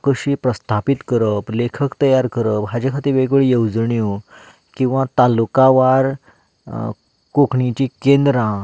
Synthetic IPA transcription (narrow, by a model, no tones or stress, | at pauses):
kəɕiːpɾəst̪ʰapit̪kəɾəplekʰəkt̪əjaɾkəɾəpɦad͡ʑekʰat̪iːʋeɡəɭijewd͡zɳju | kĩw̃ʋãt̪alukaʋaɾ | kokʰɳit͡ɕikẽnd̪ɾã